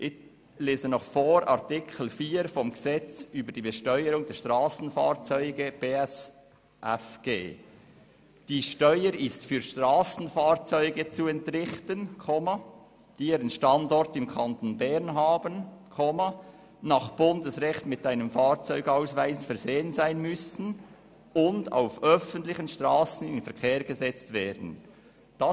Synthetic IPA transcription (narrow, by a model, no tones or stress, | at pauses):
ʔɪ | leːzənɔχfoːɾɑ̰ʁtɪkʰl̩fiːɾfɔmɡəz̥ɛt͡syːbəd̥iːbəʃtœʏəɾʊŋdɛɾʃtʁɑːsn̩fɑːɾt͡sœʏɡəb̥eːɛs | ʔɛfɡ̥eː | d̥iːʃtœʏəɾɪstfyːɾʃtʁɑːsn̩fɑːɾt͡sœʏɡət͡suɛntrɪχtənkʰoma | d̥iːiːɾənʃtɑndɔɾtɪmkʰɑntonbɛɾnɦɑːbənkʰoma | nɑːχb̥ʊndəsʁɛxtmɪtaɪnəmfɑːɾt͡sœʏɡ̥aʊsvaɪsfɛɐɾzeːənzaɪnmʏsn̩ | ʊnda̰ʊfœfəntlɪçənʃtʁɑːsən̩ɪnfɛʁkʰeːɾɡəzɛt͡stvɛːdn̩ | d̥ɑ